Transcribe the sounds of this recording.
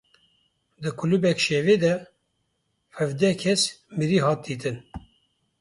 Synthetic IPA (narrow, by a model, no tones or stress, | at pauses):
d̪ɨkʰulubɛkʃeːveːd̪ɛ | hɛvd̪ɛkʰɛsmiɾiːɦɑːt̪̚d̪iːt̪ɨn